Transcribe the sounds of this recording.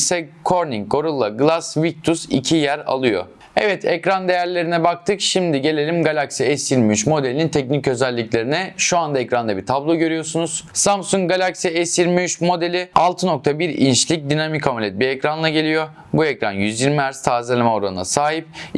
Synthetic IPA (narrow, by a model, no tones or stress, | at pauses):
sɛkʰoɾniŋo̞ɾulˠːaɡɯlˠasvik̚t̪ʰusḭcʰijæɾa̰lˠɯjo̰ | ɛvɛt̪ʰɛcɾand̪e̞jæɾlʲe̞ɾinɛbak̚t̪ʰɯkʃimd̪iɟe̞lʲe̞lʲimɡalʲaksiɛsjiɾmiyt͡ʃmo̞d̪elʲinint̪ʰɛc̚nicø̞zælʲːiclʲe̞ɾinɛʃuand̪aɛcɾand̪abiɾt̪ʰablˠo̞ɟø̞ɾyjo̞sunuz̥samsuŋk̚ɡalʲaksiɛsjiɾmiyt͡ʃmo̞d̪elʲɪalˠt̪ʰɯno̞k̚t̪ʰabiɾḭnʃlʲic̚d̪inamikʰamulʲɛt̪̚biecɾanlˠaɟe̞lʲijo̞ | buɛcɾanjyzjiɾmiæɾst̪ʰaːzelʲemɛo̞ɾanɯna̰saːɦip̚